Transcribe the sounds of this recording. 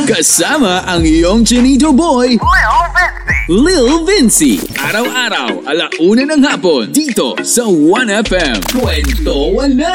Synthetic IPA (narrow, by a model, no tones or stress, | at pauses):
kɐsamaʔaŋijoŋd͡ʒɛnit̪̬obojlvɛsilɪlˠvɪnsḭʔaɾawaɾa̰walaʔunanɐŋhapond̪it̪o̰sawanɛfɛmkwɛnt̪owɐna